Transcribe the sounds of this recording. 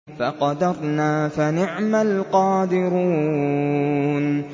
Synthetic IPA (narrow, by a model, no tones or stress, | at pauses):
faqɑd̪ɑɾˤnaːfanɪʕmalqɑːd̪ɪɾuː | n